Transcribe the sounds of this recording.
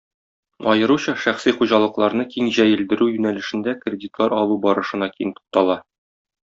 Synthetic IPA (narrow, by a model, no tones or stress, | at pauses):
ɒjɤ̆ɾuɕɑʃæχsiχuʑɑlˠɤ̆qlˠɑɾnɤkiŋʑæjɘ̆ld̪ɘ̆ɾʉjʉnælɘ̆ʃɘ̆nd̪ækrʲedʲit̪lˠɑɾɒlˠubɒɾɤ̆ʃɤ̆nɑkijɘnt̪u̥t̚t̪ːɑlˠɑ